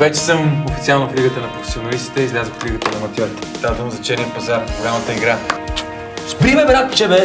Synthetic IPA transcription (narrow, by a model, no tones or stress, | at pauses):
vɛt͡ʃɛ̥səmofit̪sialˠnofliɡət̪ənɐpɾofɛ̥sionɐlist̪i̥t̪ɛizlʲazəxfliɡət̪ənɐmɐt̪ʲjɔɾt̪ɛ̥t̪ad̪əmzɐt͡ʃɛɾʲinpɐzaɾɡʊlʲamɐt̪əiɡɾa | sbɾimɛbɾak̪t͡ʃɛbɛ